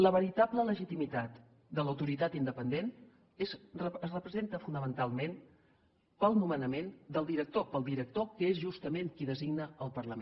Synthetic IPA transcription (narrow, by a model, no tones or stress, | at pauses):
ləβəɾit̪ablələʒit̪imit̪at̪ | d̪ələwt̪uɾit̪at̪ind̪əpənd̪en | esərəpɾəzent̪əfunəmənt̪alˠmen | pəlˠnumənəmend̪əlˠd̪iɾək̚t̪opəlˠd̪iɾək̚t̪okəezʒust̪əmeŋkiðəziɡnəəlˠpəɾləme